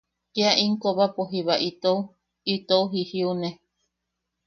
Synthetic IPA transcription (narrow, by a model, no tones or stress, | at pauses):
keaʔiŋkoβapoɦiβaʔit̪ou | it̪ouɦihiune